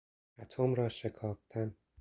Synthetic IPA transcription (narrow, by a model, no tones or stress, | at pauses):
ʔæt̪ʰomɾɒːʃe̞kʰɒːft̪ʰæn